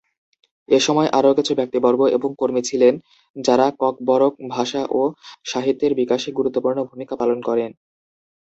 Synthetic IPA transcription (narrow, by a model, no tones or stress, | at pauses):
eʃɔmɔeʔaɾoket͡ɕʰubɛk̚t̪ibɔɾɡoʔḛboŋkoɾmit͡ɕʰilen | d͡ʑaɾakɔk̚bɔɾok̚bʱaʃaʔoʃaɦit̪ːeɾbikaʃeɡuɾut̪ːopuɾnobʱumikapalonkɔɾen